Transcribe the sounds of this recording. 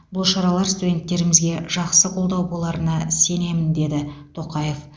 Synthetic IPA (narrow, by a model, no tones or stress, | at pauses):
bʊlˠʃɑɾɑlˠɑɾst̪ud̪ʲe̞nt̪ːe̞ɾɪmɪzɡʲe̞ʒ̥ɑqsəqʰo̞lˠd̪ɑwbo̞lˠɑɾənɑse̞ne̞mɪnd̪e̞d̪ɪt̪ʰo̞qɑje̞f